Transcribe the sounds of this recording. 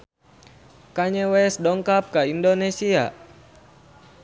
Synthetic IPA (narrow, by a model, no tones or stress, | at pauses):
kaɲɛwɛsdɔŋkap̚kaindonesia̰